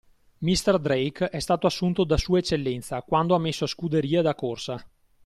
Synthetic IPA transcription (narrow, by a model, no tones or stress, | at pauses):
mist̪ɛrd̪ɾejkɛst̪aːt̪oasːunt̪od̪asuːaet͡ʃːelːɛnt̪sakwand̪oamːesːoaskud̪eɾiːed̪akːorsa